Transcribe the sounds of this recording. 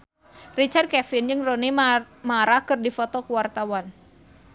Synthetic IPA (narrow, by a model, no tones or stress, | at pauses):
rit͡ʃart̪̚kɛfɪnd͡ʒɨŋroni | maɾahkɨrdifɔt̪ɔkuwart̪awan